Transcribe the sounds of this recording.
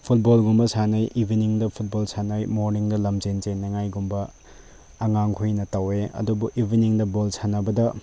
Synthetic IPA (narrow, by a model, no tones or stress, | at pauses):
pʰut̚bolɡumbɐsanɐjʔibʱiniŋdɐpʰut̚bolsanɐjmoɾniŋdɐlɐmzenzenːɐŋajɡumbɐ | ɐŋaŋkʰujnɐtɐweɐ̰dubuʔibʱiniŋdɐbolsanɐbɐdɐ